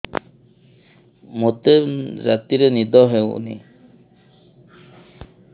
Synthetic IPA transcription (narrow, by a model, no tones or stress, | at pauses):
mot̪eɾat̪iɾenid̪ɔɦɛwṵnḭ